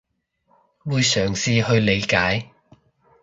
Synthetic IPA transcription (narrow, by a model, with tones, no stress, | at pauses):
wuː˨˧jsœː˨˩ŋsiː˨˧hɵ˧ɥle˨˧jkaː˨˥j